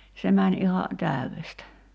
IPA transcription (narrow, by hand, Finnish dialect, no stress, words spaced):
se mænʲ ihɑ tæˑyʋestæ